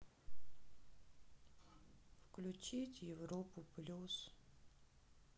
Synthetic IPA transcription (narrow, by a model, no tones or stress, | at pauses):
fklʲʊt͡ɕitʲjɪvɾopʊplʲus